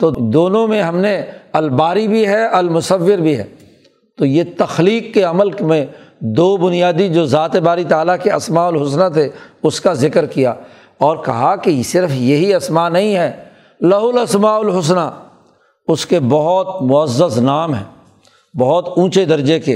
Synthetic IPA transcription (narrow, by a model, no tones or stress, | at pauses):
t̪oːd̪oːnõmẽɦɐmneɐlbaːɾibʱiɦɛʔɐlmʊsəʋːɪɾbʱiɦɛ̰ː | t̪ojet̪ɐxliːkːeɐməlkmẽd̪oːbʊnijaːd̪id͡ʒoːzaːt̪ebaːɾit̪aːlakeɐsmaːʊlɦʊsnat̪ʰeʊskazɪkəɾkija̰ː | ɔːɾkɐ̰ɦakisɪɾfjɐɦiɐsmaːnɐɦĩɦɛː | lɐɦʊlɐsmaːʊlɦʊs̬na | ʊskebɐɦʊt̪mʊəzːəznaːmɦɛ̰̃ː | bɐɦɔt̪ũːt͡ʃed̪ɐɾd͡ʒekeː